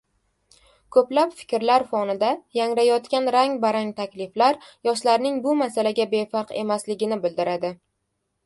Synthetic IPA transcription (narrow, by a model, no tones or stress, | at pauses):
kʰɵplapfɪ̥kʲɾlaɾfɒnɪd̪ajaŋɾajɒt̪kʲanɾaŋbaɾaŋt̪ʰakʲlɪflaɾjɒʃlaɾnɪŋbʊmasalaɡʲabe̞fɑqe̞̰maslɪɡʲɪnɪbɪld̪ɪɾad̪ɪ